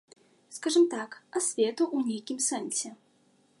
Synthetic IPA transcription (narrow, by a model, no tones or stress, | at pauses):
skaʐɨmt̪akasʲvʲɛt̪uʔunʲejkʲimsɛnsʲɛ